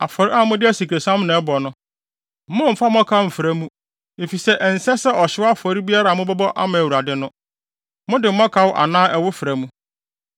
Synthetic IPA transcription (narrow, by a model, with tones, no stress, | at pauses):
a˨fɔ˨ɾɪ˦a˦mʊ̃˦dɪ˦æ˦si˨kʰɾe˨sã˦m˦nʊ̃˨ɛ˦bɔ˨nʊ̃˦ | mʊ̃˦m̩˨fa˦mʊ̃˦a˦kʰa˦m̩˨fɾæ˨˦mũ˦ | e˨fi˨sɛ˦ʔn̩˨sɛ˦sɛ˦ʔɔ˨ɕɪ˦wa˦fɔ˨ɾi˦bi˦a˦ɾa˨mʊ̃˦bɔ˦bɔ˦ʔa˦mã˨æ˨wu˨ɾa˨dɪ˦nʊ̃˦ | mʊ̃˦dɪ˨m̩˦ã˦kʰa˨wʊ˦ʔa̰˨nãː˦ʔɛ˨wʊ˦fɾæ˨mũ˦